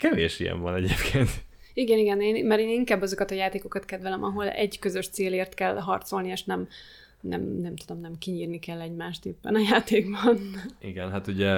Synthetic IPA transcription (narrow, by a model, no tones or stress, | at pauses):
kɛveːʃijɛ̰ɱvɒnɛɟeːpkʰeːnt̪iɡɛniɡɛneːnmɛɾeːniŋkaːbːɒzo̞kɒt̪ɒjaːt̪eːko̞kɒt̪kɛd̪vɛlɛmʔɒɦo̞lɛ̰ɟkøzøʃt̪seːleːrt̪kɛlɦɒrt̪so̞lnieːʃnɛm | nɛ̰mnɛmt̪ud̪o̞mnɛmkiɲiːrnikɛlːɛɟmaːʃt̪eːpːɛ̰nɒjaːt̪ʰeːɡbɒniɡɛnɦat̪uɟɛ